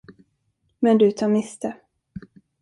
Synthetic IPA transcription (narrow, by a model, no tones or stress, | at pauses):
mɛnd̪ɵt̪ʰɑːmɪst̪ə